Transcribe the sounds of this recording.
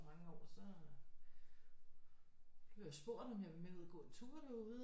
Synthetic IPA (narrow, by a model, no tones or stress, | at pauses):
mɑ̈ŋəɒ̰ːsɒ̽ | b̥ojɑsb̥o̝̰ɐ̰d̥ɒ̽mjɑ̈ʋemeuðˠɐɡ̥ɔ̰̽ːe̥t͡sʰu̥ːɐl̥euðˠ